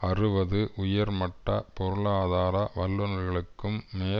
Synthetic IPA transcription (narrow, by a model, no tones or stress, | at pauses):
ɐrɯʋɐðɯʔʊjɐɾmɐʈːɐpɔɾɯɭaːðaːɾɐʋɐlːɐnɐɾɣɐɭɯkːɯmːeː